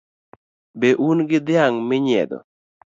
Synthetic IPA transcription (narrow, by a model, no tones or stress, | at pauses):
beʔunɡɪd̪ɪaŋmɪɲɛ̰d̪ɔ̰